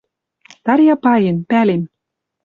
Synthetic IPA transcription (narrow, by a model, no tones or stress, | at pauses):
t̪ɑɾjɑpɑjenpælem